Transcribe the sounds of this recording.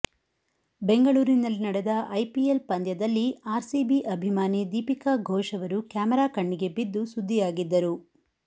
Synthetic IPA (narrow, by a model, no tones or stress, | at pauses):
be̞ŋɡɐɭuːɾinɐlːinɐɽɛd̪ɐʔɐjpielpɐnd̪jɐd̪ɐlːiaːɾsiːbiʔɐbʱimaːnid̪iːpikaɡʱɔːʂɐʋɐɾukjaːmɐɾaːkɐɳːiɡe̞bid̪ːusud̪ʱːijaːɡid̪ːɐɾu